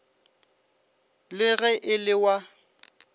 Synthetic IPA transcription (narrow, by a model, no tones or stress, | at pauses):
lɪɣɛʔɪlɪwa